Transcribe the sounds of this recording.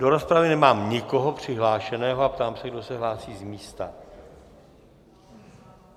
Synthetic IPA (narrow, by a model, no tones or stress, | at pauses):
doɾo̞spɾavɪnɛmaːmɲɪko̞ɦo̞pr̝̥ɪɦlaːʃɛnɛːɦoapt̪aːmsɛɡ̚do̞sɛɦlaːsiːzmiːst̪a̰